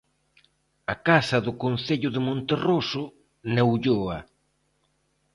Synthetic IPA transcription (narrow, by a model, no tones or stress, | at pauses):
akasɐðʊkon̟θeʎʊðɪmõnt̪erosʊ | newʎoɐ